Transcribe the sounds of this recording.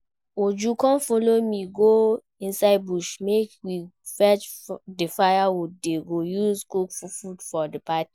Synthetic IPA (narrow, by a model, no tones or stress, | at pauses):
od͡ʒukɔ̃nfolomĩɡo | ĩnsaɪbuʃmekwifɛt͡ʃdefajawudeɡojuzkukfufudfɔdəpati̥